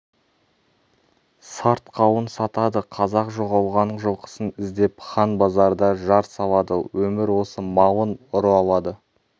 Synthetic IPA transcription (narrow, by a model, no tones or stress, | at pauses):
sɑɾt̪qʰɑwənsɑt̪ɑd̪əqʰɑzɑqʒoʁɑlˠʁɑnːəɴʒolˠqʰə̥sənɪzd̪e̞pχɑnbɑzɑɾd̪ɑʒɑɾsɑlˠɑd̪əwɵmɪɾwo̞səmɑwənʊɾəɑlˠɑd̪ə